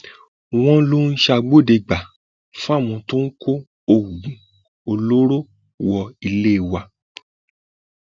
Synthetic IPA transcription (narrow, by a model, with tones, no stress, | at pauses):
w̃ɔ̃˦lo˦n̩˦ʃa˧ɡ͡bo˦˨de˧ɡ͡ba˨ | fũ˦a˦˨m̃ɔ̃˧to˦n̩˦ko˦ | o˧wu˨ɡũ˨ | o˧lo˦ɾo˦ | wɔ˧i˧le˦i˦˨wa˧